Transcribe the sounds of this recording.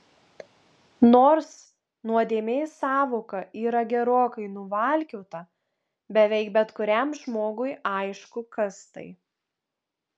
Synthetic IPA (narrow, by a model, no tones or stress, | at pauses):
noːɾs | nuɔd̪ʲeːmʲeːsɑːʋoːkɐʔiːɾɐɡʲɛɾoːkɐɪnʊʋɐˑlʲkʲɛʊt̪ɐ | bʲɛʋʲɛɪk̚bʲɛt̪kʊɾʲɛmʒmoːɡʊɪɐɪʃkʊkɐst̪ɐ̰ɪ